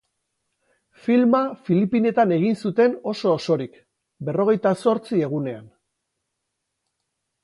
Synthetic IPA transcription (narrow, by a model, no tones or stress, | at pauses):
filmafilipine̞t̪ane̞ɣ̞insut̪e̞no̞so̞ːso̞ɾik | be̞ro̞ɣe̞jt̪aso̞ɾt͡sie̞ɣ̞une̞an